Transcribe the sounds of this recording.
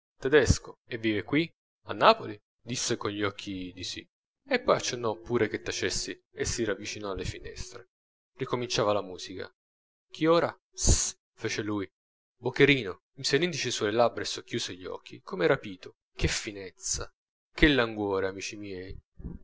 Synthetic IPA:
t̪ɛd̪ɛskoevːiːvekwi | a̰nːaːpoli | d̪isːekonʎɔkʰːid̪isḭ | epːɔjat͡ʃːenːɔpːuːɾek̟et̪ːat͡ʃesːi | esiɾavːit͡ʃinɔalːefinɛ̰st̪ɾe | rikomint͡ʃaːvalamuːzika̰ | k̟ʰioːɾa | s | feːt͡ʃeluːj | bokːeɾiːno | miselːind̪it͡ʃesulelabɾaesːokːjuːseʎːiɔ̰kʰːikʰomeɾapiːt̪o | k̟efːinɛt̪sa̰ | kelːaŋɡwoːɾeamiːt͡ʃimjɛːj

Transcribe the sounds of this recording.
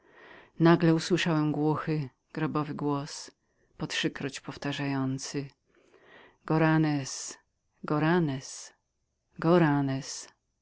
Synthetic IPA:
naɡlɛuswɘʂawɛmɡwɔxɘ | ɡ̥ɾɔbɔvɘɡwɔs | pɔtʂɘkɾɔt͡ɕpɔft̪aʐajɔnt̪sɘ | ɡɔɾanɛs | ɡɔɾanɛs | ɡɔɾanɛs

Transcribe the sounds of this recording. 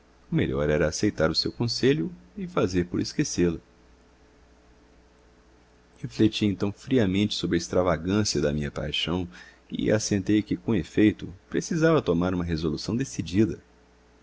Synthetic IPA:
ʊmḛʎɔɾɛɾɐːsejt̪aɾʊsewkõseʎʊɪfazeɾpʊɾeskeselʊ | heflet͡ʃiẽnt̪ɐ̃w̃fɾiɐmẽnt͡ʃɪ̥sobɾɪɐist̪ɾavaɡɐ̃siɐd̪ɐmĩɲɐpa̰jʃɐ̃w̃ | ɪ̰ʔasẽnt̪ejkɪkõefejt̪ʊpɾesizavɐt̪omaɾũmɐɦezolusɐ̃w̃d̪esid͡ʒid̪ɐ

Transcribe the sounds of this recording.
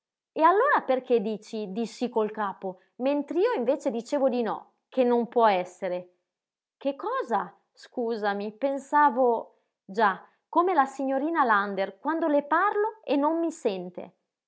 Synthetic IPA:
ealːoːɾaperked̪iːt͡ʃid̪isikolkaːpo | ment̪ɾeiːoiɱveːt͡ʃed̪it͡ʃeːvod̪inɔ̰ | kenːompwɔɛsːeɾe | kekːɔːza | skuːzamipensaːvo | d͡ʒa | kːomelasiɲːoɾiːnaland̪erkwand̪oleparloenːomːisɛnt̪ḛ

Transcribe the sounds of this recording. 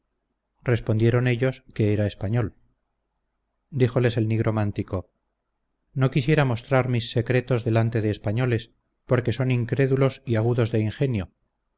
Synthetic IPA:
re̞spo̞nd̪jeɾo̞ne̞ʎo̞ske̞eɾaespaɲo̞l | d̪ixo̞le̞se̞lniɣɾo̞mant̪iko̞ | no̞kisje̞ɾamo̞st̪ɾaɾmisːe̞kɾe̞t̪o̞zðe̞lant̪e̞ðe̞ːspaɲo̞le̞s | po̞ɾke̞so̞niŋkɾe̞ðulo̞siaɣ̞uðo̞zðe̞iŋxe̞njo

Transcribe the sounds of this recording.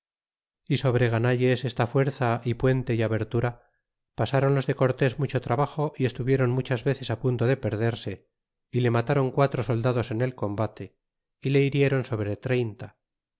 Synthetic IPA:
iso̞β̞ɾeɣ̞anaʎe̞sest̪afwe̞ɾθaʔipwe̞nt̪e̞iaβe̞ɾt̪uɾa | pasaɾo̞nlo̞zðe̞ko̞ɾt̪e̞zmut͡ʃo̞t̪ɾaβaχo̞ʔie̞st̪uβjeɾo̞nmut͡ʃazβe̞θe̞sapunt̪o̞ðepe̞ɾðe̞ɾse̞ | ile̞mat̪aɾo̞ŋkwat̪ɾo̞so̞ld̪aðo̞se̞ne̞lko̞mbat̪e̞ | ile̞iɾje̞ɾo̞nso̞βɾet̪ɾe̞jnt̪a

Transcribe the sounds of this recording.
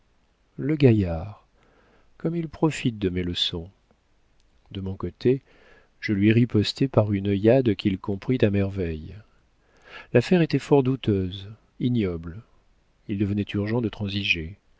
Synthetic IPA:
ləɡajaʁ | kɔmilpχɔfit̪̚d̪əmɛləsɔ̃ | d̪əmɔ̃kot̪ʰe | ʒ̥əlɥiʁipɔst̪epaʁynəjad̪kʲilkɔ̃pχit̪amɛʁvɛj | lafɛʁet̪ɛfɔʁd̪ut̪øz | injɔbl | ild̪əvənɛt̪ʰyʁʒɑ̃d̪ət̪χɑ̃ziʒe

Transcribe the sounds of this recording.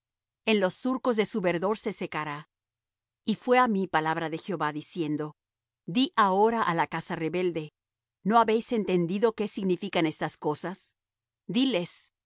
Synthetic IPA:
e̞nlo̞sːuɾko̞zðe̞suβe̞ɾðo̞ɾse̞se̞kaɾa | ifwe̞amipalaβɾaðe̞xjo̞βaðisje̞nd̪o̞ | d̪iʔao̞ɾaʔalakasare̞βe̞ld̪e̞ | no̞aβe̞jse̞nt̪e̞nd̪iðo̞ke̞siɣnifikane̞st̪asko̞sas | d̪ile̞s

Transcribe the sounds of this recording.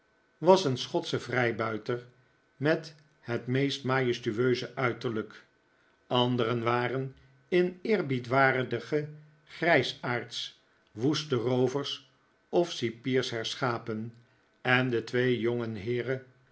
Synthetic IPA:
ʋɑsənsχɔtsəvrɛjbœɥtəɹ | mɛt | hətmejstmaːjəstyøɥzəʔœɥtəɹlək | ɑndəɾənʋaːɾən | ɪnɪːɹbitʋaːrədəχə | χrɛjsaːɹts | ʋustərowvəɹs | ɔfsipiːɹsɦɛɹsχaːpən | ɛndətʋejjoŋənɦɪːrə

